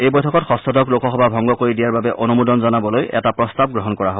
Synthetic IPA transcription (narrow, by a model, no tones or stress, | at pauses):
ejbojtʰɔkɔtxɔstɔdɔklokɔxɔbabʱɔŋɡɔkoɹidijaɹbabɛʔonumudɔnzɔnabɔlojɛ̰tapɹɔstab̚ɡɹɔɦɔnkɔɹaɦob